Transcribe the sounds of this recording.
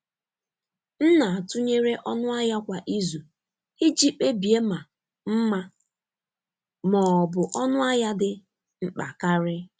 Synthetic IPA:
n̩˦na˨a˨tʊ˦ɲe˦ɾe˦ʔɔ˦nʊ˦a˦ja˦kʷa˨ʔi˦zu˨ | hi˦d͡ʒi˦k͡pe˦bi˨e˦ma˨ | m̩˦ma˦ | mɔ˨bʊ˨ʔɔ˦nʊ˦a˦ja˦dɪ˨ | m̩˦k͡pa̰˨ka˦ɾɪ˦

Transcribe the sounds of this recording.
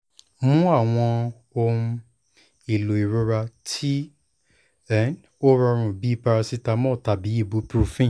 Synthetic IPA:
mũ˦a˦˨w̃ɔ̃˧ | õ˧ | i˨lo˨i˨ɾo˧ɾa˧tʰi˦ | ɛ˦n | o˦ɾɔ˧ɾ̃ũ˨bi˦i˦pa˧ɾa˧si˦ta˧mɔ̃˦˨ta˨bi˨˦i˦˨bu˧˦pɾu˦fĩ˦˨

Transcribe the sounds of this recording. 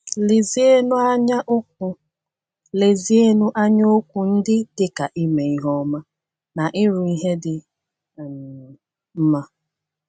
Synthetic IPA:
li˨zi˦e˦nu˦a˦ɲa˦ʔo˦k̚u˨ | le˨zi˨˦e˦nu˦ʔa˦ɲo˦o˦kʷu˨n̩˦dɪ˦dɪ˦ka˨ʔi˦me˨i˦ɦɔ˦ma˦ | na˨ʔɪ˦ɾʊ˨i˦ɦe˦dɪ˨ | m˨ | m̩˦ma˦

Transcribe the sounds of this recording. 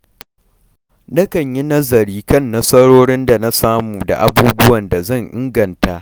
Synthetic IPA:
nɐ˦kɐ˨ɲji˦nɐ˦zɐ˨ɾiː˦kɐ˦˨nːɐ˦sɐ˦ɽoː˦ɽɪ˦nda˨na˦saː˦muː˨da̰˨ʔa˦buː˦bʊ˦wɐ˨nda˨zɐ˦˨ɲʔɪ˦ŋɡɐ˨ntaː˦ʔ

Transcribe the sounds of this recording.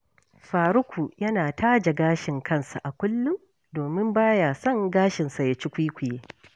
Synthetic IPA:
ɸaː˨ɾʊ˦kʷʰu˨jɐ˦naː˨taː˦d͡ʒa˨ɡaː˦ʃɪ˨ŋkʰɐ˦˨nsa˨ʔa˨kʷʊ˦lːʊ˦m | doː˨mɪ˦mbaː˦ja˨sɐ˦˨ŋɡaː˦ʃɪ˨nsa˨ja˨t͡ʃɪ˦kʷi˦kʷʊ˨jeː˦

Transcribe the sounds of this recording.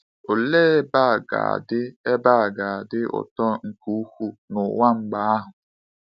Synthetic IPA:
o˨leː˦ba˦˨ɡa̰˨a̰˨dɪ˦e˦ba˦˨ɡa˨a˨dɪ˦ʔʊ̰˨tɔ˦ŋ̩˨ku˦u˦kʷu˦nʊ˨wa˦ŋ͡m̩˨ɡ͡ba˦a˦ɦʊ˨

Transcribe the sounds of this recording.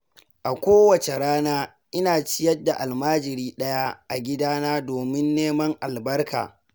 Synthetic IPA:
ʔa˨kʷoː˦wɐ˨t͡ʃe˨ɾaː˦naː˦ | ʔɪ˦naː˨t͡ʃɪ˦jɐ˦dːa˨ʔa˨lmaː˦d͡ʒɪ˨ɾiː˦ɗɐ˦ja˦ʔa̰˨ɡʲɪ˦daː˦naː˦doː˨mɪ˦nːeː˦mɐ˦ŋʔa˨lbɐ˦rka̰ː˨

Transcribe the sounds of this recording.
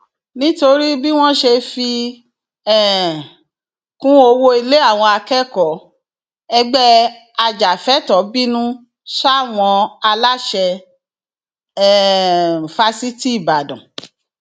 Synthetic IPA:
nĩ˦to˧ɾi˦bi˦w̃ɔ̃˦ʃe˧fi˧ | ɛ˦˨ | kũ˦o˧wo˧i˧le˦a˦˨w̃ɔ̃˧a˧kɛ˦kɔ˨˦ | ɛ˧ɡ͡bɛ˦ | a˧d͡ʒa˨fɛ˦tɔ˨˦bi˦nũ˦ | sa˦˨w̃ɔ̃˧a˧la˦ʃɛ˧˦˨ | fa˧si˦ti˦i˦˨ba˨dɔ̰̃˨

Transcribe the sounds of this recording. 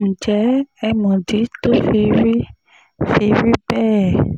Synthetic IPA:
n̩˨d͡ʒɛ˨˦ɛ˧mɔ̃˨di˨˦to˦fi˧ɾi˦ | fi˧ɾi˦bɛː˦˨

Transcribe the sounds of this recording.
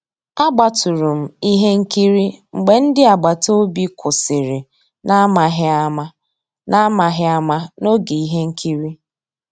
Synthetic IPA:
a˦ɡ͡ba˨tu˨ɾu˨m̩˦˨i˦ɦe˦ŋ̩˦ki˦ɾi˦ŋ͡m̩˨ɡ͡be˨n̩˦dɪ˦a˨ɡ͡ba˨to˦bi˦kʰʊ˨sɪ˨ɾɪ˨ | na˦ma˨ɦ | na˦ma˨ɦɪ˦a˦ma˦no˦ɡe˨i˦ɦe˦ŋ̩˦kʰi˦ɾi˦

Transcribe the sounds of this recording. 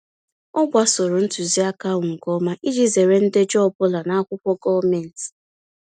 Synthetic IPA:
ɔ˦ɡʷa˦sɔ˨ɾʊ˨n̩˦tu˨zi˦a˦ka˦wŋ̩˨kɔ˦ma˦ʔi˦d͡ʒi˦ze˨ɾe˦n̩˦de˦d͡ʒɔ˦˨bʊ˦la˨na˦a˦kʷʊ˦kʷɔ˦ɡɔ˦me˨n̩˨ti̥˨

